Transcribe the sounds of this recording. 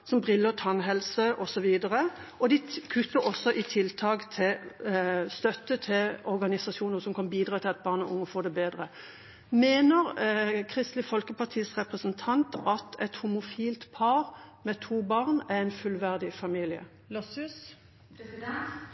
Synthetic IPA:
sɔmbʁɪlːət̪ʰɑnɦɛlsəʔɔsɔʋiːd̪əʁəʔɔd̪ɪkʰʉt̪ːəɾɔsːɔʔɪt̪ʰɪlt̪ʰɑːkt̪ʰɪl | st̪œt̪ːət̪ʰɪlɔɾɡɑnɪsɑsuːnəʁsɔmkʰɑnbiːd̪ɾʁɑːt̪ʰɪlɑt̪̚bɑːʁnɔʊŋːəfoːd̪ɛbeːd̪ʁə | meːnəʁkʰʁɪst̪lɪfɔlkəpɑʁt̪ʰiːsʁɛpʁəsənt̪ʰɑnt̪ʔɑt̪ʰɛt̪hʊmʊfiːlt̪pʰɑːɾmɛt̪ʰuːbɑːʁnææɪnfʉlʋæʁd̪ɪfɑmiːlɪə̰ | s

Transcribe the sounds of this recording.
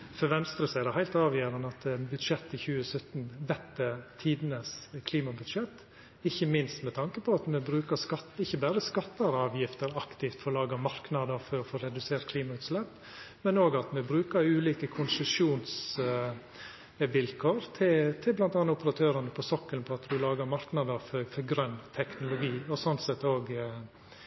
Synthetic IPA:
fɔɾʋɛnst̪ɾəsæɪd̪ɛhæɪlt̪ɑːʋjøːɾənəɑt̪bʉd̪ʂɛt̪ːɪçʉːəsœt̪nʋɛt̪ːət̪ʰiːd̪nəskʰliːmɑbʉd̪ʂɛt̪ː | ɪçːəmɪnst̪mɛt̪ʰɑŋkəpʰɔɑt̪mɛbɾʉːkəskɑt̪ɪçːəbæːɾəskɑt̪ːɑɾɑːʋjɪft̪əɾɑkt̪ɪft̪fɔlɑːɡɑmɑɾknɑd̪əfɔɾɔfoːɾɛd̪ʉseːt̪̚kʰliːmɑʉːt̪slɛpː | mɛnoːɡɑt̪mɛbɾʉːkəɾʉːliːkəkʰʊnsəʃuːns | ʋɪlkʰoːɾt̪ʰɪlt̪ʰɪblɑnt̪ɑnʊpəɾɑt̪ʰøːɾɑnəpʰɔsɔkːəlpʰɔɑt̪d̪ʉlɑːɡəɾmɑɾknɑd̪əfɔɾfɔɾɡɾœnːt̪ʰɛknʊlʊɡiːɔsɔnt̪sɛt̪ːoːɡ

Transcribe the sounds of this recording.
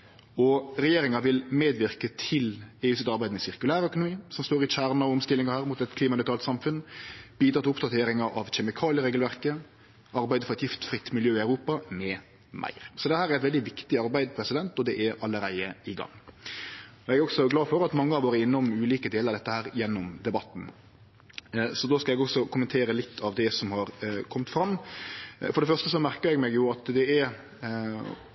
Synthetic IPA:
ɔɾɛjeːɾɪŋɑʋɪlmeːd̪ʋɪʁkət̪ʰɪleːʉːsɪt̪ɑɾbæɪd̪əmɛsɪʁkʉlæːɾəœkʊnʊmiːsɔmst̪oːɾɪçæːɾnɑʊmst̪ɪlːɪŋɑhæːɾmuːt̪ɛt̪kʰliːmɑnɪt̪ʰɑːlt̪sɑmfʉnb̥iːd̪ɾʁɑt̪ɪʊpd̪ɑt̪ʰeːɾɪŋɑʔɑʋçɛmɪkʰɑːlɪəɾeːɡəlʋæɾkə | ɑɾbæɪd̪əfɔɾɛt̪jɪft̪fɾɪt̪ːmɪljøːɪɑʉɾuːpɑmɛ | mʔæ̰ɪɾsɔd̪ɛhæːɾæɾæɛt̪ʋɛld̪ɪʋɪkt̪ɪɑɾbæɪd̪pʰɾɛsɪd̪ɛnt̪ɔd̪ɛʔæɾɑlːəɾæɪəɪɡɑ̰ŋː | ɔɛɡæɾɔɡsɔɡlɑːfɔɾɑt̪mɑŋːəɑʋoːɾəɪnːɔmʉːliːkəd̪eːləɾɑɾd̪ɛt̪ːəhæːɾjɛnːɔmd̪ɛbɑt̪ːn̩ | sɔd̪oːskɑlɛɡɔksɔkʰʊmənt̪ʰeːɾəlɪt̪ʰːɑʋd̪ɛsɔmhɑɾkʰɔmt̪fɾɑmː | fɔɾɖɛfœʁʂt̪əsɔmæɾkəɾɛɡmɛɡjʊɑt̪d̪ɛæɾ

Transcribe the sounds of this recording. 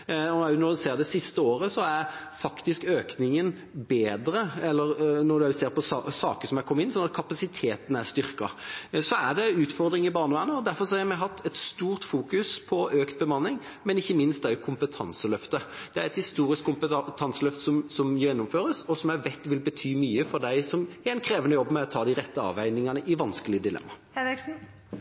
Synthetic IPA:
ɔnɔæʉnɔd̪ʉseːɾd̪ɛsɪst̪əoːɾəsɔæɾfɑkt̪ɪskøːknɪŋən | beːd̪ɾəɛlːəɾnɔd̪ʉæseːɾpɔsɑsɑ̰ːkəsɔmækʰɔmːəɪnːsɔnɑt̪̚kʰɑpɑsɪt̪ʰeːt̪n̩æɾst̪ʏɾkɑ̰sɔæɖ̪ɛʉːt̪fɔɾd̪ɾɪŋɪbɑːɾɳəʋæːɾənəɔd̪æɾfɔɾsɔhɑɾmɛɦɑt̪ʰːɛt̪st̪uːɾt̪fuːkʉspʰɔøːkt̪̚bəmɑnːɪŋ | mɛnɪçːəmɪnst̪d̪ɛæɾɛkʰʊmpət̪ʰɑnsəlœft̪əd̪̥ɛæɾɛt̪hɪst̪uːɾɪskʰːʊmpət̪ʰɑnsəlœft̪ə̥sɔmsɔmjɛnːʊmføːɾəsɔsɔmæʋɛt̪ːʋɪlbət̪ʰyːmyːəfɔd̪æɪsɔmæɪnkʰɾeːʋənəjɔbːmɛɔt̪ʰɑːd̪ɪɾɛt̪ːəɑ̰ːʋæɪnɪŋɑnəʔɪʋɑnskəlɪəd̪ɪlɛ̰mːɑhɛʋɛksn̩

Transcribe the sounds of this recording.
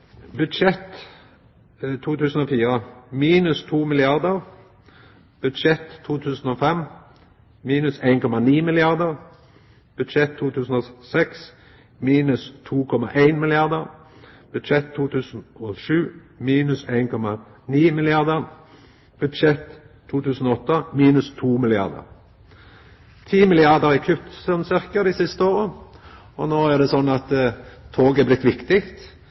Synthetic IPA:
bʉd̪ʃɛt̪ | t̪ʰːuːt̪ʉːsn̩oːfiːʁəmiːnʉst̪ʰuːmɪlɪɑʁd̪əʁ | b̥ʉd̪ʃɛt̪ʰːuːt̪ʰʉːsn̩oːfɛm | miːnʉsæɪnkʰɔmɑniːmɪlɪɑʁd̪əʁ | b̥ʉd̪ʃɛt̪ʰːuːt̪ʰʉːsn̩oːsɛks | miːnʉst̪ʰuːkʰɔmɑʔæɪnmɪlɪɑʁd̪əʁ | b̥ʉd̪ʃɛt̪ʰːuːt̪ʰʉːsn̩ɔʂʉː | miːnʉsæɪnkʰɔmɑniːmɪlɪɑʁd̪əɾ | b̥ʉd̪ʃɛt̪ʰː | uːt̪ʰʉːsən̩ɔɔt̪ːəmiːnʉst̪ʰuːmɪlɪɑ̰ʁd̪ə̰ʁ | t̪ʰiːmɪlɪɑʁd̪əɾɪkʰʏp̚t̪sɛnsɪʁkəd̪ɪːsɪst̪əoːʁə | ɔnoːæd̪ɛsɔnːɑt̪t̪ʰoːɡɛblɪt̪ːʋɪkt̪ɪkt̪

